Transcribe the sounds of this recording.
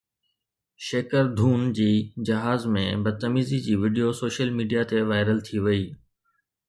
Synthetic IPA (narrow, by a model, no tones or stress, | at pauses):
ʃeːkəɾd̪ʱuːnd͡ʑiːd͡ʑɐɦaːzmḛ̃bɐd̪̚t̪ɐmiːzid͡ʑiːʋiɖijosoːʃəlmiːɖijat̪eʋaːɪɾəlt̪ʰiʋɐiː